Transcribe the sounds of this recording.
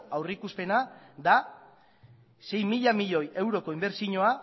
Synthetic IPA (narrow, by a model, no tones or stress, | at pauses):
awrikuspe̞nad̪a | se̞jmiʎamiʎo̞je̞wɾo̞ko̞imbe̞ɾsiɲo̞a